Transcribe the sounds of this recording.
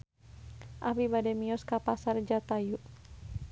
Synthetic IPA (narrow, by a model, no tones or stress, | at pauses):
ʔapibadɛmiɔskapasard͡ʒat̪ajuʔ